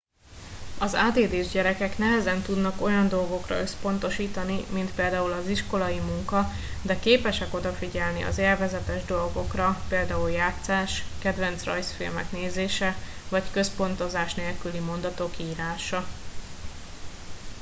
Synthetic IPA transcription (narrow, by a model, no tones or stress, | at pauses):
ɒzaːd̪eːd̪eːʒɟɛɾɛkɛknɛɦɛzɛnt̪ud̪nɒko̞jɒnd̪o̞lɡo̞krɒ̰ø̞spo̞nt̪o̞ʃiːt̪ɒnimint̪peːld̪aːulɒziʃko̞lɒjimuŋkɒ | d̪ɛkeːpɛʃɛko̞d̪ɒfiɟɛlniɒ̰zelvɛzɛt̪ɛʒd̪o̞lɡo̞krɒpeːld̪aːuljaːt̪saːʃkɛd̪ʋɛnt̪srɒ̰jsfḭlmɛ̰kneːzeːʃɛvɒckø̞spo̞nt̪o̞zaːʃneːlkylimo̞nd̪ɒt̪o̞kiːɾaːʃɒ